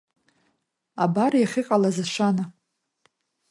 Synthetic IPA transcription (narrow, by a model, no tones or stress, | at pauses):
abaɾjaχʲɪqʼalazaʃʷana